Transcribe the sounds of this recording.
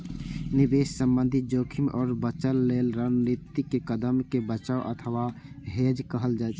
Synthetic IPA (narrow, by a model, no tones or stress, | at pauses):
nɪbeːʃsə̃mbə̃nd̪ʱid͡ʒoːkʰɪmʔɔːɾbət͡ʃəlːeːlɾənnit̪ːikekəd̪əmkebət͡ʃaːoʔə̰t̪ʰəʋa | ɦeːd͡ʒkəɦəld͡ʒaɛt͡ʃʰ